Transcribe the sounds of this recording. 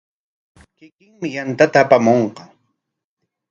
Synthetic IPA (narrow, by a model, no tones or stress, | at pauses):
kɪkɪŋmɪjant̪at̪aːpamoɴqɑ